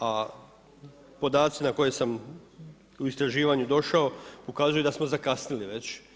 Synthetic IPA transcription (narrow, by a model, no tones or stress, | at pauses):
a | po̞d̪aːt̪sinako̞je̞sam | uist̪ɾaʒiːʋaɲud̪o̞ʃaopo̞kaːzujud̪asmo̞zakasniliʋe̞t͡ɕ